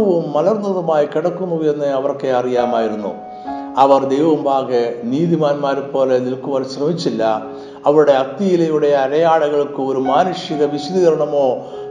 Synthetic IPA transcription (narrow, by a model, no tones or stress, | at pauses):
ɐʋumːɐlɐrnɐðɐmaːjikiɽɐkːunːuʋe̞nːɨɐʋɐrkːeɐrijaːmaːjiɾunːṵ | ɐʋɐrd̪e̞jʋɐʋumbʱaːɣeniːðimaːnmaːɾupo̞ːle̞nilkuʋɐlɕrɐmit͡ɕːilːɐ | ɐʋɐɾuɽe̞ɐt̪ːijilɐjuɽe̞ɐɾɐjaːɭɐɣɐɭkɨoɾumaːnuʂjɐɣɐʋiɕud̪iɣɐɾɐɳɐmo̞ː